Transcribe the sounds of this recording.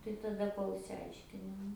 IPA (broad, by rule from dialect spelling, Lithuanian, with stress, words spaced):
tɐɪ tɐˈdɐ ˈkoːlˠ ɪʃʲsʲɪˈɐɪʃʲkʲɪnʲɪ ˈnʊ